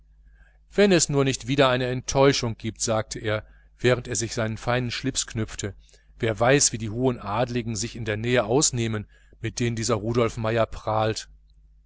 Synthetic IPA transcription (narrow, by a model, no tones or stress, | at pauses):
v̥ɛnɛsnuːɐnɪçtv̥iːdɐaɪnəɛntʰɔʏʃʊŋɡ̥iːp̚tz̥aːk̚tʰəʔeːɐ | v̥ɛːʁənteːɐzɪçz̥aɪnənfaɪnənʃlɪpsknʏp͡ftʰə | veːɐvaɪsv̥iːdiːɦoːənʔaːdlɪɡŋ̩zɪçɪndeːɐnɛːəʔaʊsneːmən | mɪt̚d̥eːnəndiːzɐʁuːɾɔlfmaɪɐpʁ̥aːlt